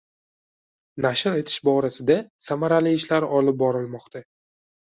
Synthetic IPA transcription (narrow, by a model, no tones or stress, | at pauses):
naʃɪɾe̞t̪ʰɪ̥ʃbɒɾasɪd̪asamaɾalɪːʃlaɾɒlɪp̚bɒɾɪlmɒqt̪ʰa